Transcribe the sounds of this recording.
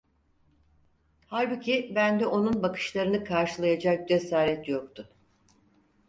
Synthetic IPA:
haɾbucʰibænd̪ɛʔo̞nunbakʰɯ̥ʃlˠaɾɯnɯkʰaɾʃɯlˠajad͡ʒak̚d͡ʒesaːɾɛt̪jok̚t̪ʰʊ

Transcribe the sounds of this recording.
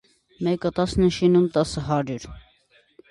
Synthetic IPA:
mɛkət̪ɑsnəʃinumt̪ɑsəɦɑɾjuɾ

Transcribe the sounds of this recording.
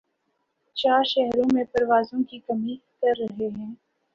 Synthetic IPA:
t͡ʃaːɾʃɛɦɾõmẽpɐɾʋaːzõkikɐmikɐɾːɐɦeɦɛ̃ː

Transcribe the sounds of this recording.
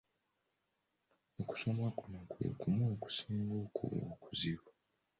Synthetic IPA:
oku̥so̞mwakunakwe̞̰kumoːku̥siːŋɡoːkṵβo̰kuziβa

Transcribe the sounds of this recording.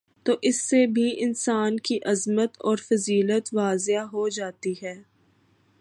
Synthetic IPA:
t̪oːʔɪsːebʱiɪnsaːnkiʔɐzmət̪ɔːɾfɐziːlət̪ʋaːzeaɦod͡ʒaːt̪iɦɛː

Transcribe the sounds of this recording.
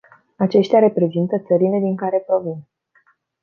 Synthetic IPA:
at͡ʃe̞ʃt̪eaɾe̞pɾe̞zint̪ət̪səɾile̞d̪iŋkaɾe̞pɾo̞vin

